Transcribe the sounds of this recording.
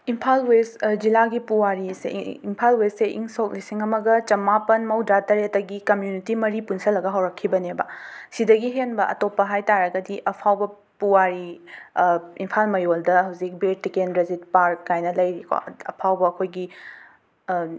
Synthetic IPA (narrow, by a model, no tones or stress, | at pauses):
impʰalwesd͡ʒilaɡipuwaɾisḛimpʰalwesseʔḭŋsok̚lisiŋɐmɐɡɐt͡ʃɐmapɐnmɐwdɾatɐɾetɐɡikɐmjunitimɐɾipunsʰɐlːɐɡɐɦɐwɾɐkʰːibɐnebɐsidɐɡiɦenbɐʔɐ̰topːɐɦajtaɾɐɡɐdiʔɐpʰawbɐ | puwaɾi | impʰalmɐjoldɐɦɐwzik̚betikenɾezit̚paɾkːajnɐlɐjɾikʰo̰ɐ̰pʰawbɐːkʰojɡi